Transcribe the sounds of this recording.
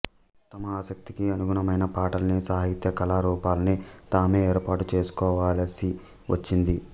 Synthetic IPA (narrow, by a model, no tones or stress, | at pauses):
t̪ːɐmɐaːsɐk̚t̪ikiɐnuɡunɐmɐjnɐpaːʈɐlɐnisaːɦit̪jɐkɐlaːɾuːpaːlɐnit̪aːme̞ːeːɾpaːʈut͡ʃe̞ːsu̥kɔːʋaːlsi | ʋʔɐt͡ʃːind̪i